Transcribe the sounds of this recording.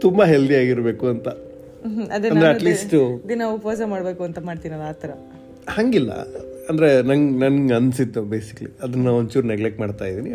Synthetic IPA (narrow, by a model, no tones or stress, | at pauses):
t̪umbɐɦeld̪ijaːɡiɾbe̞ːkuɐnt̪ɐ | ɐd̪ɐɐnd̪ɾeɐʈliːsʈɐd̪inaʋupɐʋaːs̬ɐmaːɽbeːkuɐnt̪ɐmaːɖt̪iːnɐlaːt̪ɐɾɐ | haŋɡilːɐ̰ɐnd̪ɐɾenɐŋɡnɐnɡɐnsid̪ːubeːsi̥kɐlḭɐd̪ɐnːɐont͡ʃuːɾneɡlekmaːɖt̪aːjid̪iːni